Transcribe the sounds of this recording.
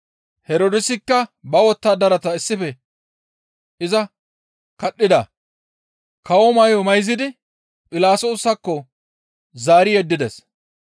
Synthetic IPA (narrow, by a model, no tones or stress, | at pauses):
hɛɾoːd̪ɪsɪkːɐbɐwɔt̪ːaːd̪ɐɾɐt̪ɐɪsːɪfɛ | ʔɪzɐ | kɐɗːɪd̪ɐ | kɐwɔmɐjɔmɐjzɪd̪ɪ | pʼɪlaːsoːsːɐkːɔ | zaːɾɪjɛd̪ːɪd̪ɛs